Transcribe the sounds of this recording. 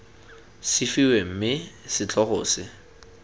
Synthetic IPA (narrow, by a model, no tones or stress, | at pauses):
sɪfiwem̩mɪsɪt͡ɬʰʼɔχʊːsɪ